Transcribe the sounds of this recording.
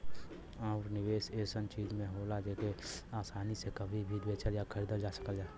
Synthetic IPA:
aʊɾnɪweːʃeːsənt͡ʃiːd͡ʒmẽɦoːlad͡ʒeːkeaːsaːnisekəbʱibʱiʋeːt͡ʃəɾjakʰəɾid̪əɾd͡ʒaːsə̥kəld͡ʒaː

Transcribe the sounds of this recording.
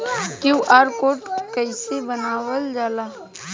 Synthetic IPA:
kuʔaːɾkoːʈkəɪsebənaːwəld͡ʒaːlaː

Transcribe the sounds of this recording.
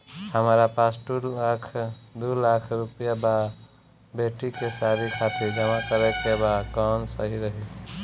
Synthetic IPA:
həmɾapasʈulakʰd̪ulakʰɾupəjaba | beʈikesaɾikʰat̪iɾd͡ʒəmakəɾɛkebakɔnsəɦiɾəɦi

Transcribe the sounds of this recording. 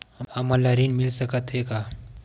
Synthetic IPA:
hɐməlːaɾinmɪlsəkət̪ɦekaː

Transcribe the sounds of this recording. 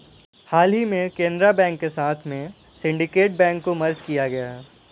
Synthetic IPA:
haːlɦimẽkẽːnd̪ɾabɛ̃ːŋkːesaːt̪ʰmẽ | sɪ̃ɳɖɪkeːʈ̚bɛ̃ːŋkːomɐɾd͡ʒkijaɡɐjaɦɛː

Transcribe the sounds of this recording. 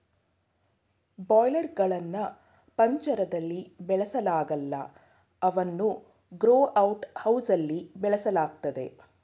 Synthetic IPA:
baːjlɐɾɡɐɭɐnːɐ | pɐɲt͡ʃɐɾɐd̪ɐlːibɛɭɐsɐlaːɡɐlːɐ̰ | ɐʋɐnːu | ɡɾoːʔɐwʈhɐwsɐlːibɛɭɐsɐlaːɡ̚t̪ɐd̪e̞̰

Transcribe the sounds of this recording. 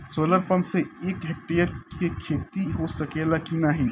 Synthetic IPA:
soːləɾpɐmseeːkɦek̚ʈeːjəɾkekʰeːt̪iɦoːsɐkeːlakinaɦiː

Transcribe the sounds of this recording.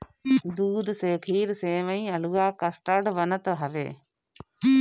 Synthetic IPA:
d̪uːd̪seːkʰiːɾseːʋəĩːɐluːaːkəsʈəɽʋənət̪ɦɐʋḛː

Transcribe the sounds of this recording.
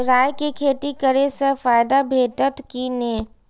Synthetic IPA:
ɾaːjkekʰeːt̪ikəɾesəfaːjd̪abʱeːʈət̪kineː

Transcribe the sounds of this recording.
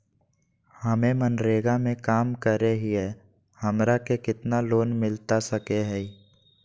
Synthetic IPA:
həmemənɾeːɡamẽkaːmkəɾeɦiɦɛ | həmɾakekɪt̪naloːnmɪlt̪asəkeɦɛi

